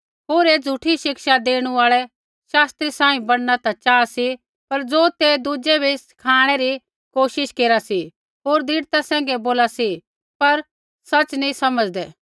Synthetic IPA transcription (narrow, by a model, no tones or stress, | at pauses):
ɦoːɾed͡zʱuʈʰiʃɪkʃad̪eːɽ̃uaːɭɛ | ʃaːst̪ɾisãːĩbɐɽ̃nat̪at͡ʃaːsi | pɐɾd͡zoːt̪ed̪ud͡ʒɛbʱiskʰaːɽ̃ɛɾi | koːʃɪʃkeːɾasi | ɦoːɾd̪ʱiːɽt̪asɛ̃ːŋɡɛboːlasi | pɐɾ | sɐt͡ʃnĩsɐməd͡zd̪ɛː